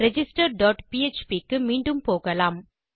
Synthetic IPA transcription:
ɾɛd͡ʒɪsʈɐɾɖaːʈpiɛt͡ʃpikːɯmiːɳɖɯmpoːɣɐlaːm

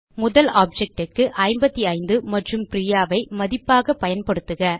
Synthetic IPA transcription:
mʊðɐlaːp̚d͡ʒɛk̚ʈɯkːɯʔɐɪmbɐt̪ːiɐɪnd̪ɯmɐʈrɯmpɾijaːʋɐɪmɐðɪpːaːɣɐpɐjɐnpɐɽɯt̪ːɯɣɐ

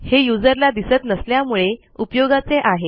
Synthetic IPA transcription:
hejud͡zəɾlad̪isət̪nəsljamuɭe | upjoɡat͡seʔaɦe

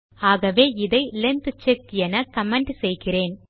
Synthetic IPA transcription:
aːɣɐʋeːɪðɐɪlɐnt̪ɯt͡ʃːekːjɛnɐkɐmɛɳɖsɛjɣɪreːn

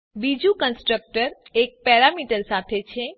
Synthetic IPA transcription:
bid͡ʒũkənsʈɾək̚ʈəɾek̚pɛɾamiʈəɾsat̪ʰet͡ʃʰe

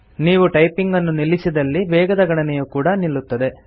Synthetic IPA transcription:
niːʋuʈɐjpiŋɡɐnːunilisid̪ɐlːiʋɛːɡɐd̪ɐɡɐɽɐnɛjukuːɽɐnilːut̪ːɐd̪e̞

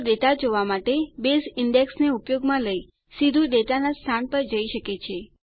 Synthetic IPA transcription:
ɖet̪ad͡ʒoʋamaʈebesɪɳɖeksneupjoɡmãləi | sid̪ʱuɖet̪anast̪ʰanpəɾd͡ʒəiʃəket͡ʃʰe

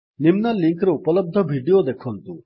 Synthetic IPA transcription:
nimnɐliŋkɾɐupɐlɐb̚d̪ʱɐbʱiːɖijod̪ekʰoːnt̪u

